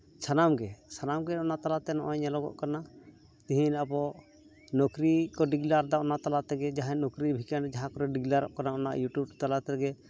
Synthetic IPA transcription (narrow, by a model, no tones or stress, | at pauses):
sʰanamɡɛsʰanamɡɛɔnat̪alat̪ɛnɔʔɔɲɛlɔɡɔ̰ʔkana | t̪iɦinabɔ | nɔkɾikɔɖiɡlaɾd̪aɔnaʔt̪alat̪ɛɡɛd͡ʒaɦanɔkɾibʱikand͡ʒaɦãkɔɾɛɖiɡlaɾɔ̰ʔkanaɔna̰ʔjuʈjub̚t̪alat̪ɛɛɡɛ